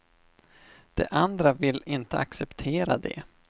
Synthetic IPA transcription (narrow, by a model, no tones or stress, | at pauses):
d̪̥ɛ̰ʔand̪ɾavɪlɪnt̪əaksɛpt̪ʰeːɾad̪ɛ̰